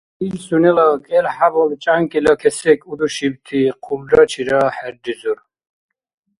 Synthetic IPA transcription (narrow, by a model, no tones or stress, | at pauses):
ilsunɛlakʼɛlħabɔlt͡ʃʼaŋkʼɛlakʰɛsɛkʰʼud̪uʃibt̪ʰiqʰulɾat͡ʃʰiɾaħɛɾd̪izuɾ